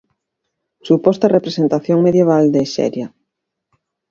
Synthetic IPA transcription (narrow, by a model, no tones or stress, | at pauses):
supɔst̪ɐrepɾesent̪aθjoŋmeðjeβ̞ald̪eʃɛ̰ɾja